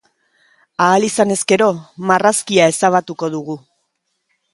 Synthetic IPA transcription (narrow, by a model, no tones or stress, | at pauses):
aːlisane̞ske̞ɾo̞maraskiae̞saβ̞at̪uko̞ðuɣu